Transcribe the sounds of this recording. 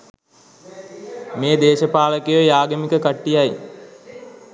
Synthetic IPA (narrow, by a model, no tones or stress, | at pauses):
meːd̪eːʃəpaːləkejəjaːɡəmikəkaʈːijaj